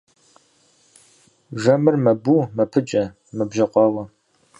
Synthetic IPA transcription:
ʒɐmɨrmɐbuːmɐpʰɨt͡ʃʼɐ | mɐbʒɐqʷɑːwɐ

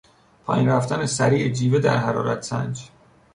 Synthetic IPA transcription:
pʰɒːjinɾæft̪ænesæɾiːʔed͡ʒiːved̪æɾɦæɾɒːɾæ̰t̪ʰsæ̰nd͡ʒ

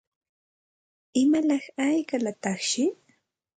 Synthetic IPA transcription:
ɪmalɑχajkalat̪ɑχʃɪ

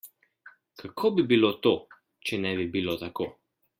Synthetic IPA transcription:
kʰakʰobibilot̪oː | t͡ʃɛnɛbibilot̪akoː

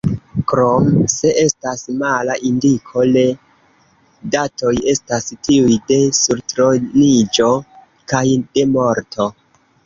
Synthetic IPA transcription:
kɾomse̞ʔe̞stasmalaʔindikʰo̞le̞ | dato̞je̞stastiujde̞suɾtɾonid͡ʒo̞ | kajde̞mo̞ɾtʰo̞

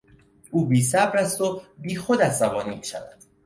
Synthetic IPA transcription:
ʔuːbiːsæbɾæst̪obiːxod̪æzzæbɒːniːmʃæ̰væ̰d̪̥

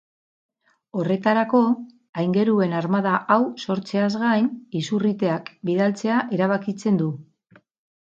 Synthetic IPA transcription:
o̞re̞t̪aɾako̞ | ajŋɡe̞ɾue̞naɾmað̞aʔawso̞ɾt͡se̞azɣajnisurit̪e̞akbiðalt͡se̞aʔe̞ɾaβ̞akit͡se̞nd̪u

